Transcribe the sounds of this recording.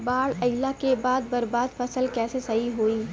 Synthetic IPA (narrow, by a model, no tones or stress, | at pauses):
baːɽɐɪlakebaːd̪̚bɐɾbaːd̪fɐsəlkɛːsesɐɦiɦoːiː